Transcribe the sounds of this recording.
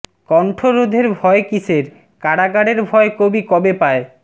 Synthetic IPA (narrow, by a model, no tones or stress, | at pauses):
kɔɳʈʰoɾod̪ʱeɾbʱɔekiseɾ | kaɽaɡaɽeɾbʱɔekobikɔbepae